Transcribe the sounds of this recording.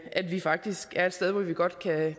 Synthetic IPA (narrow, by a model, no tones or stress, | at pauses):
ʔæd̥ʋifɑ̈ɡ̥̚d̥isɡ̥æɐe̝d̥sd̥eð̞ˠʋɒʋiɡ̥ɒ̽d̥kʰæ